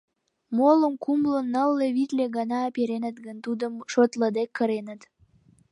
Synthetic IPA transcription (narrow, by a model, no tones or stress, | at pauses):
moləmkumlənːəlːeβit̪leɣɑnɑːpeɾenət̪ɡənt̪ud̪əmʃot̪ləd̪ekːə̆ɾenət̪